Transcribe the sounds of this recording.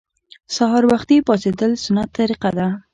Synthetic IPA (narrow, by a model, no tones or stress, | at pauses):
saɦɑɾwaxt̪ipɑsed̪əlsʊnat̪ːaɾiqad̪a